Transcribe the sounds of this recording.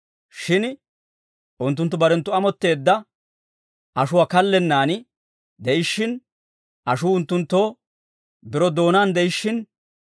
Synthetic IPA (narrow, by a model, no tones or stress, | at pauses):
ʃɪn | ʔʊnt̪ːʊnt̪ːʊbɐɾɛnt̪ːʊɐmɔt̪ːe̞ːd̪ːɐ | ʔɐʃʊwaːkɐlːɛnːaːnɪ | d̪ɛʔɪʃːɪn | ʔɐʃuːʊnt̪ːʊnt̪ːoː | bɪɾɔd̪o̞ːnaːnd̪ɛɪʃːɪn